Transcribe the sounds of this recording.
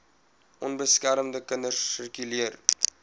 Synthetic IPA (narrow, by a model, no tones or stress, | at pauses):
ʔɔnbəskæɾəmdəkəndəsərkyliər